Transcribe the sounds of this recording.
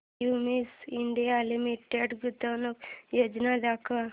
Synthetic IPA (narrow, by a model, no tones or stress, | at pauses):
umisiɳɖijalimiʈːeɖɡut̪ːɐnokjoːd͡ʒnad̪aːka